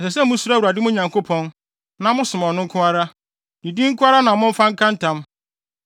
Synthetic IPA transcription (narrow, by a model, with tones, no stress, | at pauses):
ɛ˨s̬ɛ˨s̬ɛ˦mʊ̃˦su˦ɾa˦wu˨ɾa˨dɪ˦mʊ̃˦ɲã˨ŋko˦pʰɔ̃˦n | nã˨mʊ̃˦sʊ˨m˨ɔ˨nʊ̃˦ŋ̩˦kʰʊ̃˦a˦ɾa˦ | dĩ˨di˦ŋ̩˦kʊ̃˦a˦ɾa˦nã˨mʊ̃˦ɱ̩˦fã˦ŋ̩˦kʰã˦n̩˦tã˦m